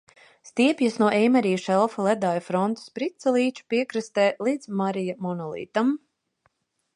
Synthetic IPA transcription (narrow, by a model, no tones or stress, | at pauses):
st̪iɛpjasnuɔʔɛjmaɾiːʃɛlˠfalˠɛd̪aːjufɾɔnt̪u̥spɾit̪salˠiːt͡ʃu̥piɛkɾɨst̪ɛːlˠiːd̪zmaɾijamɔnɔlˠḭːt̪am